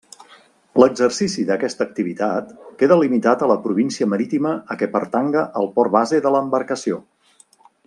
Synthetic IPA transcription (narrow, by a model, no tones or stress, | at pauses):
ləɡzərsisiðəkɛst̪ək̚t̪iβ̞it̪at̪keðəlimit̪at̪ələpɾuβ̞insiəməɾit̪iməːkɛpəɾt̪aŋɡəʔəlˠpɔrβazeðələːmbəɾkəsio